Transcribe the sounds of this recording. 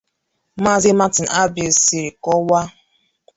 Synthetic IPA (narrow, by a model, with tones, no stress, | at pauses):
ma˦zi˦ma˦tɪ˨n̩˨ʔa˦bi˨si˨ɾi˨kɔ˦wa˦